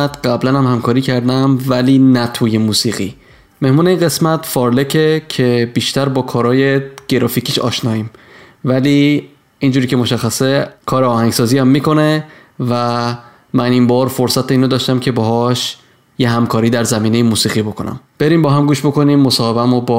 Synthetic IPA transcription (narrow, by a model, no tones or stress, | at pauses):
æt̪ɢæblænhæmhæmkʰɒːɾiːcʰæɾd̪æmvæliːnæt̪ʰuːjemuːsiːɣḭː | me̞hmuːneiːnɢe̞smæt̪fɒːɾle̞cʰecʰe̞biːʃt̪æɾbɒːkʰɒːɾɒːjeɡ̥e̞ɾɒːfiːcʰiːʃɒ̰ːʃnɒːiːm | væliː | ind͡ʒuɾicʰe̞mo̞ʃæxːæsekʰɒːɾeɒːhæŋɡsɒːziːæmːiːko̞ne̞ | væ | mænimbɒːɾfoɾsæt̪ʰeiːnod̪ɒːʃt̪æmcʰe̞bɒɦɒʃ | jeɦæmkʰɒːɾiːd̪æɾzæmiːne̞jemuːsiːɣiːbo̞kʰo̞næ̰mb̥e̞ɾiːmbɒːɦæmɡuːʃbo̞ko̞niːmːosɒːhe̞bæmobː